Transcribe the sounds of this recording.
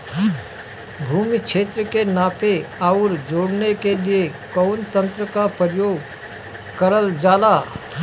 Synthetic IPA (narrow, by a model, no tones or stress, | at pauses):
bʱuːmikʃʰeːt̪ɾəkenaːpʰeaːʊɾd͡ʒoːɽnekeliekɔʊnt̪ə̃nt̪ɾəkapəjoːɡ | kəɾəld͡ʒaːlaː